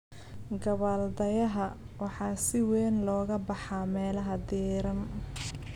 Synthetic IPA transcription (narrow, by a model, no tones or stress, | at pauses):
ɡɐβaːld̪ɐjɐɦɐ | wɑħɑːsɪwɛːnlɔːɣɐbɑħɑːmɛːlɐɦɐd̪ɛːɾɐn